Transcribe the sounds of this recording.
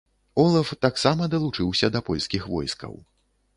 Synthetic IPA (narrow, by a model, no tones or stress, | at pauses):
ɔlˠɐft̪aksamɐd̪ɐlˠut͡ʂɨwsʲɐd̪ɐpɔlʲskʲixvɔ̰jskɐ̰w